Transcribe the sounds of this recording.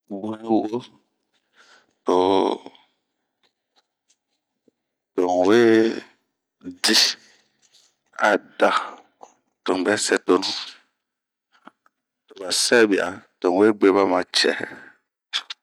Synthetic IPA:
bu˦ni˦wu˦ʔo˦ | to˨ | to˨ŋ˨we˦ | di˦ | a˨da˦ | to˨n˨bɛ˦sɛ˦to˨nu˦ | to˨ba˨sɛ˦bi˨a̰˨to˨ŋ˨we˦˨ɡ͡be˦ba˦ma˨t͡ʃɛ̰˨

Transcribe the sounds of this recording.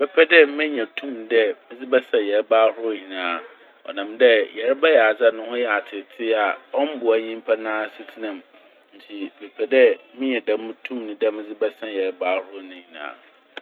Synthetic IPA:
b̥ɛ˦pʰɛ˦dɛ˦mɪ̃˦ɲã˨tʰũ˦m˦dɛ˦mɪ̃˦d͡zɪ˦bɛ˦sã˨jɛ˨ɾbaː˦hʊ˦ʊ˦˨ɲĩ˨nãː˨ | ɔ̰˨nã˨mdɛ˦jɛ˨ɾɛ˦bɛ˦jɛ˨a˨d͡za˦nʊ̃˦hʊ̃˦jɛ˨a˨tʰɪ˨tʰɪ˦a˨ɔ˦m̩˦bʊ˨æ˨ɲĩ˦m˦pʰa˦nãː˦˨si˦tʰi˦nã˨m | n̩˨tʰi˨bɛ˨pʰɛ˨dɛ˦mɪ̃˦ɲɛ̃˨da˦m˦mʊ̃˦tʰũ˦mnɪ̃˦dɛ˦mɪ̃˦d͡zɪ˦bɛ˦sã˦jɛ˨ɾbaː˦hʊ˦ʊ˦nʊ̃˨ɲĩ˨nã̰ː˨

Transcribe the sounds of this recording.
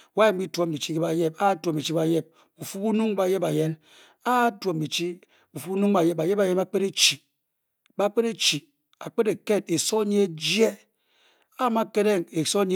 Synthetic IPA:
wa˦e˨m̩˦bi˦two˨˦m̩˨bi˨t͡ʃi˦ke˦ba˨je˦pa˦tu˨o˨m˨i˨t͡ʃi˦ba˨je˦˨p̚ | bu˨fu˦bu˦nu˦ŋba˨je˦ba˨je˦n | a˦two˨m̩bi˨t͡ʃi˦ | bu˨fu˦bu˦nu˦ŋba˨je˦ba˨je˦ba˨je˦ma˦k͡pe˦ɾe˦t͡ʃi˨ | ba˦k͡pe˦ɾe˦t͡ʃi˨ | a̰˨k͡pe˦de˨ke˦˨d̚e˨so˦ɲ˦e˦d͡ʒje˦˨ | a˦ma˦ke˦ɾe˦˨ŋe˨so˦ɲ˦

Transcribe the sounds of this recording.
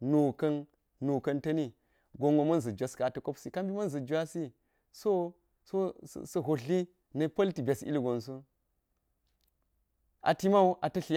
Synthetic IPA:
nu˨kɐ˦nː | u˨kɐ˦ntɐ˦ni˦ | ɡo˨ŋɡo˨mɐ˦nzɐ˨d͡ʒʷa˨ska˨tɐ˨ko˦psi˨ka˦mbi˦mɐ˦nzɐ˨d͡ʒa˦si˦ | so˦ | so̰˦˨sɐ˨ɦo˨ɬi˦ | nɐ˨˦pɐ˦lti˨bʲe˨sḭ˦lɡo˨nsu˦ | a̰˨ti˦ma˦u˦ʔa˨tɐ˦ɬi˦

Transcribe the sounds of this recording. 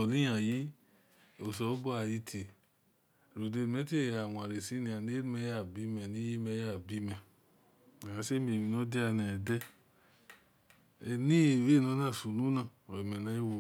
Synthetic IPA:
ɔ˨li˦ja˨ji˦ | o˨sɔ˨˦bo˦a˨ji˧tʰe˨ | ɾu˨de˧ɾmɛ˦te˦˨a˨wa˨ɾe˨si˦nĩ˧a˨ne˦mɛ˧˦ja˦˨bi˧˦mɛ˨nĩ˨˦ji˦mɛ˧˦ja˦˨bi˧˦mɛ˨ | a˨a˧˦se˦mi˨mi˨˧no˦dɛ˦a˧nɛ˨dɛ˦˧ | ni˦˨we˦˨no˧˦nã˦˨su˨nũ˦nã˧˨mɛ˨nã˨˦i˦wo˧˨

